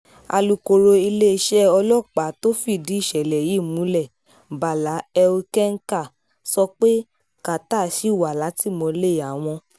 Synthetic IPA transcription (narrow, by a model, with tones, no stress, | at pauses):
a̰˧lu˧ko˧ɾo˧i˧le˦˧ʃɛ˦ɔ˧lɔ˦˨k͡pa˨˦to˦fi˦˨dĩ˨˦i˦˨ʃɛ˨lɛ˨ji˨˦˨mũ˨˦lɛ˦˨ | ba˨la˨˦ɛ˧o˧kɛ˦ŋ̩˦ka˦˨ | sɔ˧k͡pe˦ | ka˨ta˦˨ʃi˨˦˨wa˨la˨˦ti˦˨mɔ̃˧le˦˨a˨˦w̃ɔ̃˧